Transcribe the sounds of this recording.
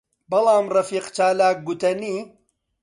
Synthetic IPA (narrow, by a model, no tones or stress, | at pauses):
bɐlˠɑːmrɐfiːqt͡ʃaːlaːk̚ɡut̪ɐniː